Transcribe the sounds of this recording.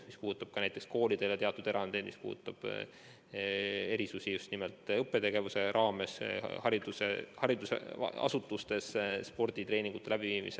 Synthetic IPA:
mispuːut̪ːˑɑb̥̚kɑnæjt̪e̞ksko̞ːlid̪̥e̞ljɑt̪e̞ɑt̪ːˑud̪e̞ɾɑnd̪̥e̞jd̪mispṵːd̪ut̪ːˑɑb̥ | e̞ɾisusijust̪nimelt̪ˑɤpːˑe̞t̪e̞ɡ̥e̞vuse̞ɾʔɑːme̞shɑɾid̪̥usehɑɾid̪usḛɑ̰sut̪ːˑust̪e̞sspo̞rd̪̥it̪re̞ːniŋɡ̥ut̪ːˑelæb̥iviːmḭse

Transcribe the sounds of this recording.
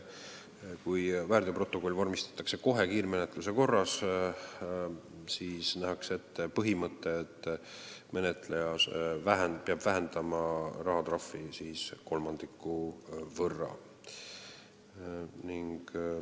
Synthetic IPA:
kujvæːrd̪̥ʲepro̞t̪ːˑo̞ko̞lːvormist̪ɑ̥t̪ːˑɑkse̞ko̞ɦe̞kiːɾme̞net̪ˑluse̞ko̞rːɑs | siːsnæɦɑkse̞t̪ːpɤɦimɤt̪ːˑeet̪ːˑme̞net̪ˑle̞jɑsvæɦenpeɑb̥væɦend̪̥ɑmɑrɑɦɑt̪ɾrɑfːisiːsko̞lmɑnd̪̥ikːˑuvɤrːɑ̰ | niŋɡ̥

